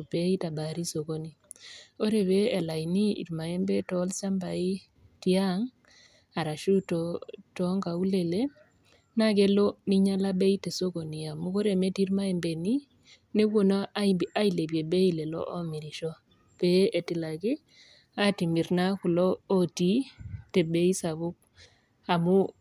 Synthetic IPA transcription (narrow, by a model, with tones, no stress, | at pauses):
be˦ita˨baɾi˦so˨ko˦ni˨ | o˦ɾe˨βeː˦˨la˨ni˦ḭ˨ɾma˨jɛ˦mbɛ˦tɔ˦lsa˦mba˨i˦ | tia˦ŋ | a˨ɾa˨ʃu˦tɔtɔŋɡa˨u˦le˨le˦ | na˦ke˦lo˦ni˦ɲa˦la˦be˦i˦te˨so˦ko˨ni˨a˨mu˦ko˦ɾe˨me˦ti˦ɾma˦ɛ˨mbe˨ni˦ | ne˦wo˨na˦a˦ibiʔa˦i˨le˨bje˨be˦i˦lɛ˨lɔ̰˦ʔɔ˦mi˨ɾiʃɔ˦ | pe˦ʔe˨tɪ˨la˨kɪ˦ | a˦ti˨mi˨ɾna˦ku˨lɔː˦ti˦tɛ˨be˦i˦sa˨βu˦k̚ | a˨mu